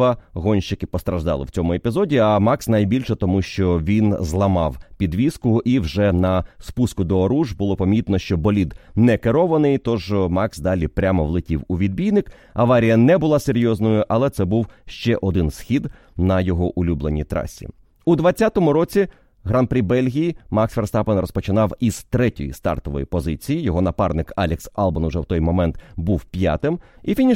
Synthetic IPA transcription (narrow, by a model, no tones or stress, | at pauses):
ɐɦɔnʲʃt͡ʃɪkɪpɔst̪ɾɐʒd̪ɑ̰lˠɪ̰wt͡sʲɔmʊepʲizɔdʲiɐmɑksnɐjbʲilʲʃɛt̪ɔmuʃt͡ʃɔʋʲinzlˠɐmɑwpʲid̪ʋʲiskʊʔiwʒɛnɐspuskʊd̪ɔːɾuʒbʊlˠɔpɐmʲit̪nɔʃt͡ʃɔbɔlʲid̪nɛkeɾɔʋɐnɪjt̪ɔʒmɑksd̪ɑlʲipɾʲamɔʋlˠɪtʲiwuʋʲid̪̚bʲijnɪk | ɐʋɑɾʲijɐnɛbʊlˠɑseɾʲjɔznɔjʊʔɐlˠɛt̪sɛbuwʃt͡ʃɛʔɔd̪ɪnsxʲid̪ | nɐjɔɦɔʔʊlʲublˠenʲit̪ɾɑ̰sʲḭ | ud̪ʋɐt͡sʲːat̪ɔmʊɾɔt͡sʲi | ɦɾɑnpɾʲibɛlʲɦʲijimɑksferst̪ɑpenrɔspɔt͡ʃɪnɑwizt̪ɾɛtʲɔjḭst̪ɑ̰rt̪ɔʋɔ̰jipɔzɪt͡sʲijijɔɦɔnɐpɑrnɪkɑlʲɪksɑlˠbɐnʊʒɛwt̪ɔjmɔmɛnt̪buwpʲja̰t̪ɪmifʲinʲi